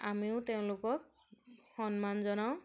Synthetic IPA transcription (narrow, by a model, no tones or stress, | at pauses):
amiʊ̃teʊ̃lʊkɔk̚ | hɔnmanzɔnaw̃